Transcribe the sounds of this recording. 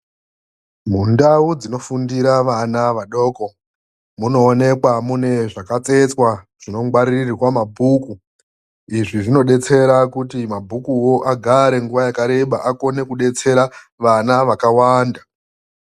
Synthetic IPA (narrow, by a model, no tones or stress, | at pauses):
mundaud͡zino̞fundiɾaʋanaʋaɗo̞ːko̞ | muno̞ːne̞kwamune̞ʐakat͡se̞t͡swa | ʐ̥ino̞ŋɡwaɾirwamabʱuku | iʐiʐino̞ɗe̞t͡se̞ɾakutimabʱukuwo̞ʔaɡʱaɾe̞ŋɡuʋajakaɾe̞ɓaʔako̞ne̞kuɗe̞t͡se̞ɾa | ʋanaʋakawaːnda